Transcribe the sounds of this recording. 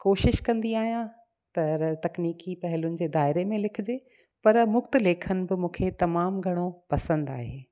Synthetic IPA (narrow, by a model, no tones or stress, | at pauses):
koːʃɪʃkɐ̃nd̪iaːɦijã | t̪ɐt̪ɐkniːkipɐɦɪlʊnɪ̆d͡ʑeːd̪aːɪɾemẽlɪkʰɪ̆d͡ʑeː | pɐɾmʊkt̪̆leːkʰənɪ̆bɪmũːkʰet̪ɐmaːmɡʱɐɽ̃opɐsə̃nd̪a̰ːɦeː